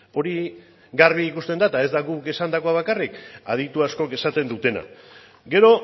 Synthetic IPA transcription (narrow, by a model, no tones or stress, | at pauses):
o̞ɾi | ɡarβiikust̪e̞nd̪at̪ae̞zd̪aɣuke̞sand̪ako̞aβ̞akarikað̞it̪uasko̞ke̞sat̪e̞nd̪ut̪e̞na̰ | ɡe̞ɾo̞